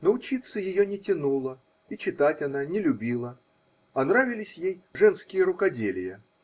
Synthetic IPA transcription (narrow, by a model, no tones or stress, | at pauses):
noʊt͡ɕit̪sːəjɪjonʲɪtʲɪnulˠə | it͡ɕɪt̪atʲɐnanʲɪlʲʉʊbʲilˠə | ɐnɾavʲɪlʲɪsʲjejʐɛnskʲɪjəɾʊkɐdʲelʲɪjə